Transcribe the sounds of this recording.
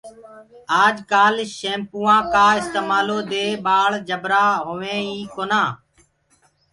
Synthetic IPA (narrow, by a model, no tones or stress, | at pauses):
aːd͡ʒkaːlʃẽːmpuːãːkaːɪst̪eːmaːloːd̪eːɓaːɭd͡ʒəbɾaːɦoːʋẽːiːkoːnãː